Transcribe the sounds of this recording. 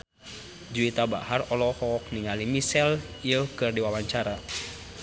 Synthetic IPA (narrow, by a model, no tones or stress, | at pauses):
d͡ʒuit̪aba̰harɔlɔhɔːk̚niŋalimisɛliəkɨrdiwawaɲt͡ʃaɾa